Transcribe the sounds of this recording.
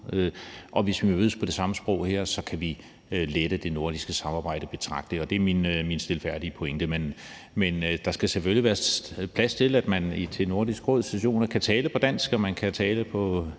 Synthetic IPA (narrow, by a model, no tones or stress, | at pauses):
øʔɒ̽ʋe̝sʋimøːð̩̰ˠspʰɒ̽d̥e̝sɑ̈məsb̥ʁɔʊ̰heɐ̰sɒ̽kʰæʋi | led̥əd̥e̝no̝ɐ̰ɾ̥isɡ̥əsɑ̈mɑ̈ːb̥ɑ̈ɪ̰d̥əb̥e̝t͡sʰʁɑ̈ɡ̥̚d̥əɒ̽d̥e̝ɐminminsd̥e̝lfæɐ̰d̥iəpʰoeŋd̥əmen | mend̥ɑ̈sɡ̥æseføliʋæːɐpʰlæst͡sʰe̝læd̥mænit͡sʰe̝no̝ɐ̰disɡ̥ʁɔðˠsd̥æɕo̝̰ːnɐkʰæt͡sʰɛːləpʰɒ̽d̥æn̰sɡ̥ɒmænkʰæt͡sʰɛːləpʰɒ̽